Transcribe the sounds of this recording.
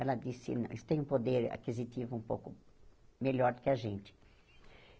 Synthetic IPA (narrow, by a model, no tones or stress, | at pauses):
ɛlɐd̪isɪ̰nɐ̰̃w̃ḭsʊ̥t̪ẽj̃ũpod̪eɾa̰kizit̪ivʊũmpo̰wkʊmeʎɔɾd̪ʊkɪaʒẽnt͡ʃ̪ɪ̥